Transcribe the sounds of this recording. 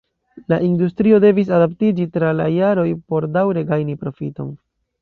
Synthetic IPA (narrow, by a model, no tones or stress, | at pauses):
laʔindustɾio̞de̞vis̬adaptid͡ʒitɾalajaɾo̞jpo̞ɾdawɾe̞ɡajnipɾo̞fito̞̰n